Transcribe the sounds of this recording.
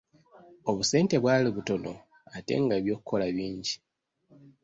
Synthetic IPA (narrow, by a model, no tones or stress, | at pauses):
o̞βuse̞ːnte̞βwaːliβuto̞lo̞̰ | ate̞̰ːŋɡaːβjo̞ːkukʰo̞laβiːɲɟi